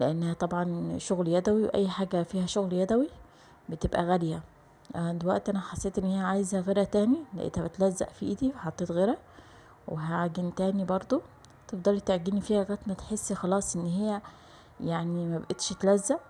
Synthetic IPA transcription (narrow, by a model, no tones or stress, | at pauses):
leʔenːæhæt̪ˤɑbʕɑnʃoɣljæd̪æwiweʔæ̰jːħaːɡæfiːhæʃoɣljæd̪æwi | bet̪ebʔæ̰ɣæljæ | ʔd̪ewæʔt̪ʔænæħasːeːt̪ʔenːhejːæʕaːjezæɣeɾæt̪æːnilæ̰ʔḛːt̪hæbet̪læzːæ̰ʔfḭʔed̪ifħɑt̪ˤːeːt̪ɣeɾæ | wʔeɦæʕɡent̪æːnibɑɾˤd̪ˤo | t̪efd̪ˤɑlit̪eʕɡiːnifiːhæɣæt̪mæt̪ħesːxɑlɑːsˤʔenːhejːæ | jaʕnimæbbʔet̪ʃt̪læzːæʔ